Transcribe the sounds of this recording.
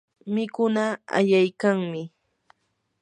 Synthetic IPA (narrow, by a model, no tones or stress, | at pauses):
mɪkʊnaa̰ʎajkaŋmɪ